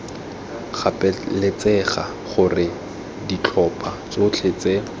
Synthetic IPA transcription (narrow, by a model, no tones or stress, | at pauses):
χapʼɛlet͡sɛχa | χʊrɪ | dit͡ɬʰɔpʼat͡sot͡ɬʰet͡se